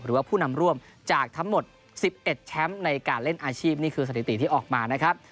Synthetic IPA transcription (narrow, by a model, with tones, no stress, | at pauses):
ɾɯː˨˩˦waː˥˩pʰuː˥˩na˧mɾu˥˩əm | t͡ɕaː˨˩k̚t̪ʰa˦˥ŋmo˨˩t̪̚ | si˨˩p̚ʔe˨˩t̪̚t͡ɕʰɛ˦˥mna˧jkaː˧nle˥˩nʔaː˧t͡ɕʰiː˥˩p̚niː˥˩kʰɯː˧sa˧˩i˨˧˩t̪i˨˩t̪ʰiː˥˩ʔɔː˨˩k̚maː˧na˦˥kʰɾa˦˥p̚